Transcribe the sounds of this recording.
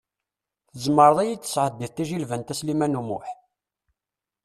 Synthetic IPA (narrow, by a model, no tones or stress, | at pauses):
θəzmːəɾˤðˤæjit͡sːə̥sʕəd̪ːiθt̪æʒilvənt̪æslimænumʊ̰ħ